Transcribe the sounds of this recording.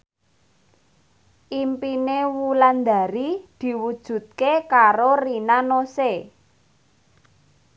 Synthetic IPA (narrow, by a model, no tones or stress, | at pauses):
ʔimpinewuland̪a̤ɾid̪̥i̤wud̥ʒ̥ṳt̪̚kekaɾorinanose